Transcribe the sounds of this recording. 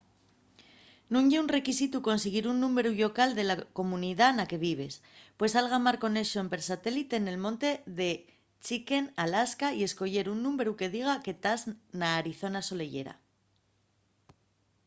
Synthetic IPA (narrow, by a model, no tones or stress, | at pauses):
nũŋʝeunre̞kisit̪uko̞nseɣ̞iɾunːũme̞ɾuʎo̞kald̪e̞lako̞muniðanake̞β̞iβ̞e̞s | pwe̞salɣamaɾko̞ne̞ʃoempe̞ɾsat̪e̞lit̪e̞ne̞lmõ̞nt̪e̞ðe̞ | t͡ʃike̞nalaskaie̞sko̞ʝe̞ɾunːũme̞ɾuke̞ðiɣ̞ake̞t̪aznaːɾiθo̞naso̞le̞ʝe̞̰ɾa̰